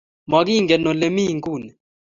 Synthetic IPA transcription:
mɔ˨ɡi˦˨ŋɡɛ˨no˨le˨mi˦˨ŋɡu˦˨nɛ˨

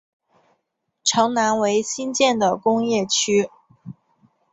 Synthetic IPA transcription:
ʈ͡ʂʰɤ˧˥ŋna˧˥nwe˧˥ɪɕi˥nt͡ɕjɛ˥˩nd̪ə˩kʊ˥ŋjɛ˥˩t͡ɕʰy˥

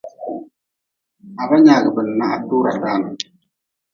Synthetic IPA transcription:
a˨ba˦ɲaː˨ɡɨ˨bɨ˨n˨na˦ʔa˦duː˦ɾa˨daː˦nɨ˨

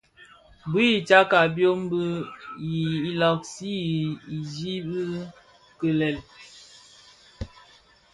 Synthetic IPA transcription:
bi˦i˨t͡ʃa˦ka˨bjo˦m˦bə˦ji˨i˦lɔ˨k̚si˦i˨d͡ʒi˦bi˦ | kə˨lɛ˨l

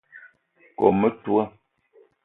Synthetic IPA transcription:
kɔ̰˨mə˦twə˦

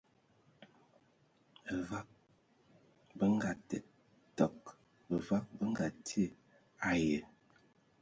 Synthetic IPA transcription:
bə˨va˦k̚ | bə˦ŋ˦ɡa˨tɛ̰˨ | tɔ˨k | bə˨va˦k̚bə˦ŋ˦ɡa˨tʰi˦ə˦˨ | a˨jə˨

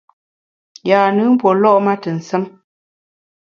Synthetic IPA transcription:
jaː˨nɨ˨˦m̩˦pɔ˨lɔ˦ʔma˦tə˨n̩˨sə˦m

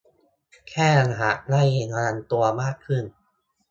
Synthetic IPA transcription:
kʰɛː˥˩ʔa˧nɦa˩˦ʔnaː˥˩je˧ŋa˧ɾa˧nt̪u˧ɐmaː˥˩kʰːɯ˥˩n

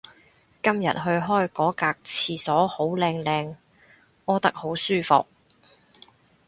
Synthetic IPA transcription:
kɐ˥mjɐ̰˨t̚ɦɵ˧ɥɦɔː˥jkɔː˨˥kaː˧k̚t͡sʰiː˧sɔː˨˥ho˨˥wlɛː˧ŋlɛː˧ŋ | ɔː˨˧t̪ɐ˥k̚ho˨˥wsyː˥˩fʊ̰˨k̚

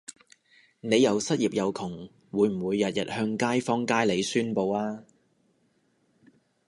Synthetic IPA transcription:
ne˨˧jɐ˨˧wsɐ˥t̚jiː˨p̚jɐ˨˧wkʰʊ˨˩ŋ | wuː˨˧jm̩˨˩wuː˨˧jːɐ˨t̚jɐ˨t̚hœː˧ŋkaː˥jfɔː˥ŋkaː˥jle˨˧jsyː˥npo˧waː˥

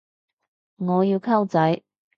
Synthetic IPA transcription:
ŋɔː˨˧jiː˧wkʰɐ˥wt͡sɐ˨˥j

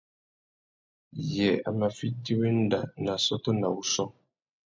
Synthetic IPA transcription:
jɛ˨a̰˨ma˨fi˦ti˦we˦n̩˦da˨na˨sɔ˦to˦na˨wu˦sɔ˦

